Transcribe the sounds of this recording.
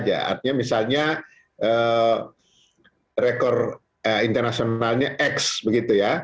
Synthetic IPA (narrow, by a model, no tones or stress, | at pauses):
d͡ʒa̰a̰rt̪iɲamisalɲa | ə | rekɔr | əint̪ərnasionalɲaʔɛksbəɡit̪uja